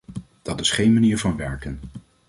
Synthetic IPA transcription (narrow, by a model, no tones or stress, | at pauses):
d̥ɑtɪsχejnmaniːɹvɑnʋɛɹkən